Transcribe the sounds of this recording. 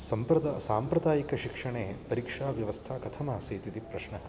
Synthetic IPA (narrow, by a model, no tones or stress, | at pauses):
sɐmpɾɐd̪asaːmpɾɐd̪aːjikɐʃikʂɐɳeːpɐɾikʂaːʋjɐʋɐst̪ʰaːkɐt̪ʰɐmɐɐseːt̪it̪ipɾɐʃɳɐɦɐ̆